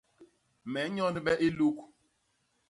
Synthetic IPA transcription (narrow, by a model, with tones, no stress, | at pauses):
mɛ˨˦ɲɔ˦n˦ɓɛ˦ʔe˦lu˦k